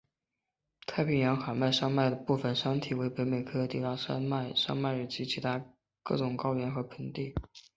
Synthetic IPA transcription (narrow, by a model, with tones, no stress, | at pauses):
t̪ʰa˥ɪpʰi˥˩ŋjɑ˧˥ŋxa˨˩ma˥˩ɪʂɑ˥ŋma˥˩ɪd̪ə˩pu˥˩fə˨˩nʂɑ˥ŋt̪ʰi˨˩we˧˥ɪpe˧˥ɪme˨˩ɪkʰɤ˥˧t̪i˥˩t̪a˥˩ʂma˥˩˧ɪʂɑ̰˥ŋma˥˩ɪy˨˩t͡ɕʰi˧˥t͡ɕʰi˧˥t̪ʰa˥ | kɤ̰˥˩ʈ͡ʂʊ˨˩ŋkɑ˥ʊɥɛ˧˥nxɤ˧˥pʰə˧˥nt̪i˥˩